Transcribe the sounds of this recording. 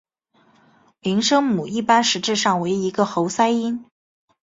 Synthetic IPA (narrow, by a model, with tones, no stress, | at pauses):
li˧˥ŋʂɤ˥ŋmu˨˩i˥˩pa˥nʂɻ̩˧˥ʈ͡ʂɻ̩˥˧ʂɑ˥˩ŋwe˧˥ɪi˧˥ɡə˧xo˧˥ʊsa˥ɪi˥n